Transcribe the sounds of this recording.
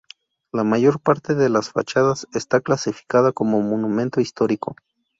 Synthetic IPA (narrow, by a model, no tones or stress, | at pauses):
lamaʝo̞ɾpaɾt̪e̞ðe̞lasfa̰t͡ʃaðasest̪aklasifi̥kaðako̞mo̞monumẽ̞nt̪o̞ist̪o̞ɾiko̞